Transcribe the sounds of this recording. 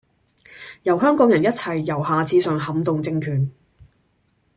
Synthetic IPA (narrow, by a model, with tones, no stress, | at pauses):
jɐ˨˩wɦœː˥ŋkʷɔː˧k̚jɐ˨˩njɐ˥t̚t͡sʰɐ˨˩jːɐ˨˩wɦaː˨t͡siː˨˧sœː˨ŋɦɐ˨˧˥mt̪ʊ˨ŋt͡sɪ˧ŋkʰyː˨˩n